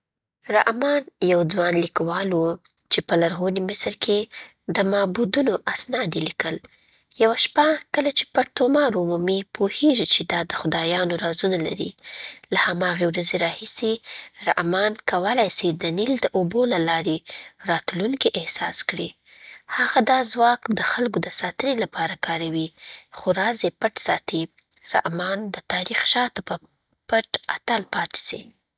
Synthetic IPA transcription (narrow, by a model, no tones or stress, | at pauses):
ɾaʔmɑnjawd͡zwɑnlikawɑlwu | t͡ʃepəlaɾɣonimɪsɾkʰe | d̪əmɑbud̪unoʔasnɑd̪elikəl | jawaʃpakəlat͡ʃe̥paɾt̪omɑɾʊmumipʰoheʒit͡ʃed̪ɑd̪əxʊd̪ɑjɑnoɾɑzunala̰ɾḭlahamɑɣewɾazeɾɑhisiɾa̰ʔmɑnkawəlajsid̪ənild̪əʔobolalɑɾeɾɑt̪luŋkiʔɪhsɑskɽi | haɣad̪ɑzwɑkd̪əxalɡod̪əsɑt̪ənelapʰɑɾakɑɾawixoɾɑzepaʈsɑt̪i | ɾa̰ʔmɑnd̪ət̪ɑɾixʃɑt̪apə | paʈat̪alpɑt̪i̥si